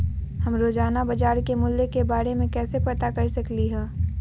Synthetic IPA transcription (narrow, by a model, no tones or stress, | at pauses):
hɐmɾoːd͡ʒaːnabɐd͡ʒaːɾkemʊlːekebaːɾemẽkɛːsepɐt̪akɐɾsɐkliɦɛ̃ː